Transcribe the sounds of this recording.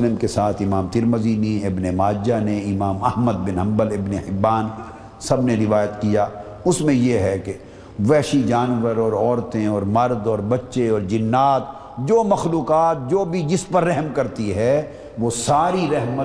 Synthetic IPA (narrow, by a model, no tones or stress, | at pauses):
lɪmkesaːt̪ʰɪmaːmt̪ɪɾməziːniɪbnemaːd͡ʒjaneɪmaːmɐhməd̪̚bɪnɦɐ̃mbəlɪbnehɪbːaːn | sɐbneɾɪʋaːjət̪kijaː | ʊsmẽjeɦɛke | ʋɛːʃid͡ʒaːnʋəɾɔːɾɔːɾt̪ẽɔːɾmɐɾd̪ɔːɾbɐtːʃeɔːɾd͡ʒɪnːaːt̪ | d͡ʒoːmɐxluːkaːt̪̚d͡ʒoːbʱid͡ʒɪspɐɾːɛɦmkɐɾt̪iɦɛ | ʋoːsaːɾiɾɛɦmə